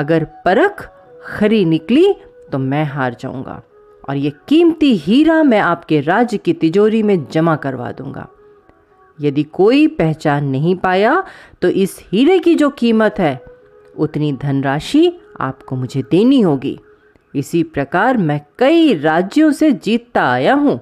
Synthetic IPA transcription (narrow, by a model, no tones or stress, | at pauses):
ɐɡəɾpɐɾək | xɐɾinɪkli | t̪omɛ̃ːɦaːɾd͡ʒa̰ːṵ̃ːŋɡa̰ː | ɔ̰ːɾjekiːmt̪iɦiːɾamɛ̃aːpkeɾaːd͡ʒjəkit̪ɪd͡ʒoːɾimẽd͡ʒɐmakɐɾʋa̰ːd̪ṵ̃ːŋɡa̰ː | jɐd̪ikoːipɛɦt͡ʃaːnːɐɦĩpaːjat̪oʔɪshiːɾekid͡ʒoːkiːmət̪ɦɛː | ʊt̪nid̪ʱɐnɾaːʃia̰ːpkomʊd͡ʒʱed̪eːniɦoːɡḭː | ɪsipɾɐkaːɾmɛ̃kɐiɾaːd͡ʒjõsed͡ʒiːt̪ːaaːjaɦũː